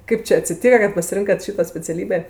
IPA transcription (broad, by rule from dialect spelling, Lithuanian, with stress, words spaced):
ˈkɐɪp t͡ʃʲɪ ɐtʲsʲɪˈtʲiːkɐ kɐt pɐsʲɪˈrʲɪŋkɐt ˈʃʲiːtoː sʲpʲɛt͡sʲɛˈlʲiːbʲeː